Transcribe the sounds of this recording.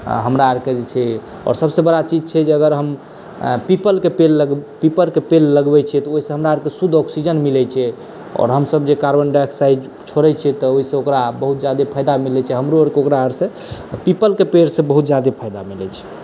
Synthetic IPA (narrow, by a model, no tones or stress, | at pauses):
ɦəmɾaaɾked͡ʒet͡ʃʰɛ | ɔ̰ːɾsəbsebəɽat͡ʃid͡ʒt͡ʃʰɛd͡ʒeəɡəɾɦəm | pipəlkepelːəɡpipəɾkepelːəɡbɛt͡ʃʰɛt̪ɔoɦisẽɦəmɾaaɾkesud̪ʱɔksid͡ʒənmilɛt͡ʃʰɛ | ɔ̰ɾɦəmsəbd͡ʒekaɾbənɖɛksajd͡ʒ | t͡ʃʰoɾɛt͡ʃʰɛt̪ɔoɦisẽokɾabəɦut̪̚d͡ʒjad̪epʰajd̪amilɛt͡ʃʰɛɦəmɾuəɾkeokɾaəɾsẽ | pipəlkepeɾsẽbəɦut̪d͡ʒjad̪epʰajd̪amilɛt͡ʃʰɛ̥